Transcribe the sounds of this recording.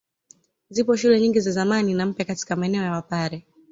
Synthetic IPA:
zipɔʃulɛɲiŋɡizazamaninam̩pjakati̥kamaɛnɛɔjawapaɾɛ

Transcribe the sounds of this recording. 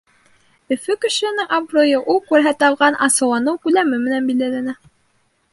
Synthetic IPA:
ɵ̆fɵkɵ̆ʃɘ̆ɘ̆nɘŋɑbrojɤʔulˠkʉɾɦæt̪ɑlˠʁɑnʔɑsɤ̆wlˠɑnɤwkʉlæmɘmɘ̆nænbild̪ælænæ

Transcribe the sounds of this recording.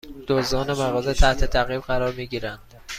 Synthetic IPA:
d̪̥ozɒːnemæɣɒːzet̪ʰæht̪ʰe̞t̪ʰæɣiːbɢæɾɒːɾmiːɟiːɾænd̪̥

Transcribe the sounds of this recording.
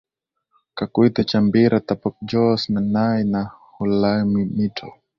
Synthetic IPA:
kakwit̪at͡ʃambiɾat̪apɔk̚d͡ʒɔsnanajnahulamimitʰɔ̰

